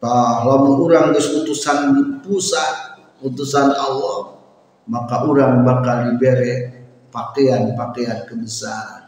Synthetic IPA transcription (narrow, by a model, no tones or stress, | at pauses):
t̪ahlamauɾaŋt̪ʊsut̪usanpusan | ut̪usanawam | makaʔuɾaŋbakaldibeɾɛʔ | pakeanpakeankəbəsaɾ